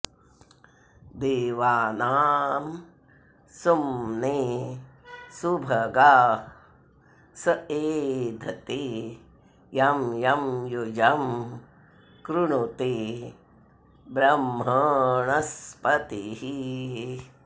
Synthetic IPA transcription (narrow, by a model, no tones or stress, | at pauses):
d̪eːʋaːnaːm | sumneː | subʱɐɡaː | sɐeːd̪ʱɐt̪eː | jɐmjɐmjud͡ʒɐm | kɾuɳut̪eː | bɾɐmːɐɳɐspɐt̪iɦi